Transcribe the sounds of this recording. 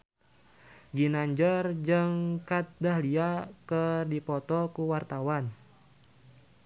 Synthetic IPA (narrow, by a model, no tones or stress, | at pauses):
ɡinaɲd͡ʒərd͡ʒəŋkat̪̚dahliakərdipɔt̪ɔkuwart̪awan